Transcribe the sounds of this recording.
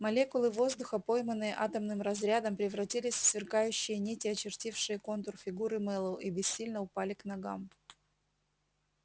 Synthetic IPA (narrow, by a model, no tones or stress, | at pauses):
mɐlʲe̞kʊlˠɨvo̞zd̪ʊxəpo̞jmənːɨjəʔat̪əmnɨmɾɐzɾʲad̪əmpɾʲɪvɾɐtʲilʲɪsʲfsvʲɪrkajʉɕːɪjənʲetʲɪɐt͡ɕɪrtʲifʂɨjəko̞nt̪ʊrfʲɪɡuɾɨmɛlˠəʔibʲɪsʲːilʲnəʊpalʲɪknɐɡa̰m